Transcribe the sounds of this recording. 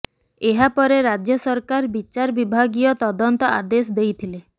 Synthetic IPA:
eɦapɔɾeɾad͡ʒjɔsɔɾkaɾbit͡ʃaɾbibʱaɡiɔt̪ɔd̪ɔnt̪ɔa̰d̪esɔd̪ejt̪ʰile

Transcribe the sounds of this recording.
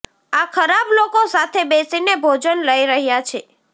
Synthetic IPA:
akʰəɾablokosat̪ʰebesinebʱod͡ʒənləiɾəɦjat͡ʃʰe

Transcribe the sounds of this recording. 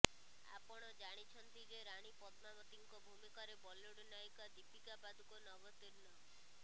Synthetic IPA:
a̰pɔɽ̃ɔd͡ʒaɽ̃it͡ʃʰɔnt̪id͡ʒeɾaɽ̃ipɔt̪mabɔt̪iŋkɔbʱumikɔɾebɔloɽnajkad̪ipikabad̪ʱukɔnɔɡɔt̪iɾnɔ

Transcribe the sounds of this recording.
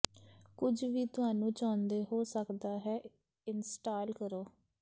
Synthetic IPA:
kʊd͡ʒʋiːt̪ʊaːnũːt͡ʃãːnd̪eːɦoːsəkd̪aːɦɛː | ɪnsʈaːlkəɾoː

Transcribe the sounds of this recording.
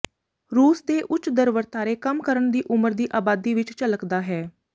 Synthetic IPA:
ɾuːsd̪eːʔʊt͡ʃd̪əɾʋəɾt̪aːɾeːkəmkəɾəɳd̪iːʔʊməɾd̪iːʔaːbaːd̪iːʋɪt͡ʃt͡ʃələkd̪aːɦɛː

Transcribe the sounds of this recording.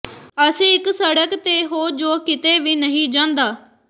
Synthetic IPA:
əsĩːɪksəɽəkt̪eːɦoːd͡ʒoːkɪt̪eːʋiːnəɦĩːd͡ʒãːnd̪aː

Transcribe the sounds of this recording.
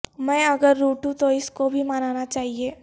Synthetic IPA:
mɛ̃ːɐɡəɾːoːʈũt̪oɪskobʱimanaːnat͡ʃaːɦieː

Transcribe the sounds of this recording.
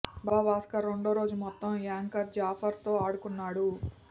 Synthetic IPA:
baːbaːskɐɾoɳɖoːɾo̞ːd͡ʒumɔt̪ːɐmjaːŋkɐɾd͡ʒaːpʰɐɾt̪o̞ːaːɽukunːaːɽu

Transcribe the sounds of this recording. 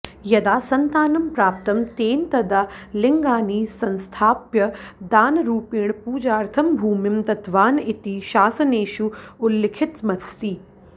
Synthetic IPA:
jɐd̪aːsɐnt̪aːnɐmpɾaːpt̪ɐmt̪eːnt̪ɐd̪alɪŋɡaːniːsɐ̃nst̪ʰaːpjɐd̪aːnɾuːpiːɳpuːd͡ʒaːɾt̪ʰɐmbʱuːmɪmt̪ɐt̪ʋaːnit̪iʃaːsɐneːʃuʊlːɪkʰɪt̪mɐst̪iː

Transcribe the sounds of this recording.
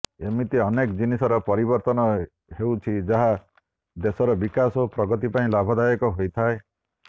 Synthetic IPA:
emit̪iɔnekd͡ʒinisɔɾɔpɔɾibɔɾt̪ɔnɔ | hewt͡ʃʰid͡ʒaɦa | d̪esɔɾɔbikasopɾɔɡɔt̪ipaĩlabʱɔd̪ajɔkɔɦojt̪ʰae

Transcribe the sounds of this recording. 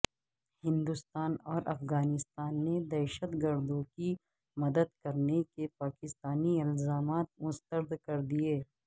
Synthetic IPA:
hɪ̃nd̪ʊst̪aːnɔːɾʔɐ̰fɣaːnɪst̪aːnːed̪ɛːʃət̪ɡəɾd̪õki | mɐd̪əd̪kɐɾnekepaːkɪst̪aːniɪlzaːmaːt̪̚mʊst̪əɾd̪kɐɾd̪ieː

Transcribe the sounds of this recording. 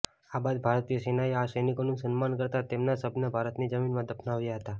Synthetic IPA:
abad̪̚bʱaɾt̪iəsenajasəjnikonũsənmankəɾt̪at̪emnasəbʱnəbʱaɾət̪nid͡ʒəminmãd̪ʱəpʰnaʋjaɦət̪a

